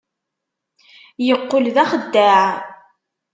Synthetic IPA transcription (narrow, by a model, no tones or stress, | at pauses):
jəqːolðæχəd̪ːæʕ